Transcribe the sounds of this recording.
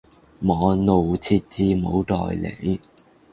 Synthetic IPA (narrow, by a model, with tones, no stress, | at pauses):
mɔː˨˧no˨wt͡sʰiː˧t̚t͡siː˧mo˨˧wt̪ɔ̰ː˨˩jlḛ˨˧˩j